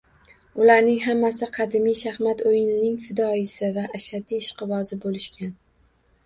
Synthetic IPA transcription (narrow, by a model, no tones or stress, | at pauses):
ʊlaɾnɪŋɦamːasɪqʰɑd̪ɪmijʃahmat̪ojɪnɪnɪŋfɪd̪ɒɪsɪvaʔːʃad̪iːʃqɨvɒzɪbolɪʃkʲan